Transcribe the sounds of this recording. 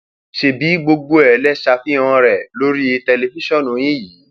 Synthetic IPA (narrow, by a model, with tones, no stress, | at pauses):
ʃe˧bi˨˦ɡ͡bo˧ɡ͡bo˧ɛ˨˦lɛ˦ʃa˧fi˦ã˧ɾɛ˨lo˦ɾi˦i˧tɛ˧le˧˨fi˦ʃɔ̃˦˨nũ˨˦j̃ĩ˦jiː˨˦